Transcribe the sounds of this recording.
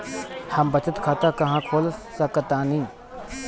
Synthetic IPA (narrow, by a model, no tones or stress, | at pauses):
hɐmbət͡ʃət̪kʰaːt̪akɐɦãkʰoːlsəkət̪ãnĩː